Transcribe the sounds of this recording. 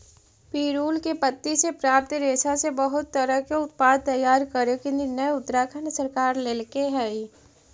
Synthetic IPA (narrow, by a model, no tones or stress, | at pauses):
piːɾuːlkepət̪ːisepɾaːp̚t̪ɾeːsasebəɦʊt̪ːəɾəɦkeʊt̪̚paːd̪̚t̪ɐjaːɾkəɾokɪnd̪inəeʊt̪ːəɾakʰənəsəɾkaːɾleːlkeɦɛi